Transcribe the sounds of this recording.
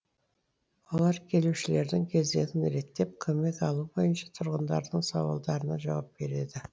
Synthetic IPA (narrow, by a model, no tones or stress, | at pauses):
wolˠɑɾkʲʰe̞luʃɪle̞ɾd̪ɪŋkʲʰe̞zd̪e̞̰t̪ɪnɾe̞t̪ːe̞p̚kʲʰɵme̞kɑlˠubo̞jənʃɑ̥t̪ʰʊɾʁənd̪ɑ̰ɾd̪əɴsɑ̰wɑ̰lˠd̪ɑɾənɑʒɑ̰wɑp̚be̞ɾe̞̰d̪ɪ